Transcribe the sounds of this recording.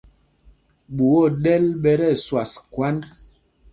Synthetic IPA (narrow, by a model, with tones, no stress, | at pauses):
ɓu˨wo˦˨ɗɛ˦lɓɛ˦ɾɛ˦˨swa˨skwa˦n